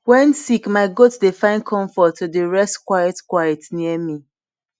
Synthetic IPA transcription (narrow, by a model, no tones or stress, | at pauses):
wɛ̃nsikmaɪɡotsdefãɪ̃nkʰɔ̃ɱfɔtːudəɹɛstkwajɛtkwajɛtniəmi